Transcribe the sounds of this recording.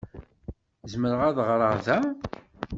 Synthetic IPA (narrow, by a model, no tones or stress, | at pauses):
zməɾəʁaðʁɾˤəɾðæ